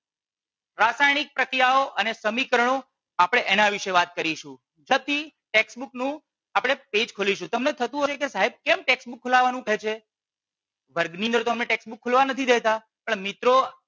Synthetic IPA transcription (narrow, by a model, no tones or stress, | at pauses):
ɾasajnik̚pɾəkɾijaoʔənesəmikəɾəɳ̃o | apɽ̃eʔenaʋiʃeʋat̪̚kəɾiʃũ | d͡ʒəb̚t̪ʰiʈeksbuknũ | apɽ̃eped͡ʒkʰoliʃũt̪əmnet̪ʰət̪ũɦot͡ʃʰekesaɦeb̚kemʈeksbukʰːolaʋanũkəɦet͡ʃʰe | ʋəɾɡniənd̪əɾt̪oəmneʈeksbukʰːolʋanət̪ʰid̪et̪a | pəɳmit̪ɾo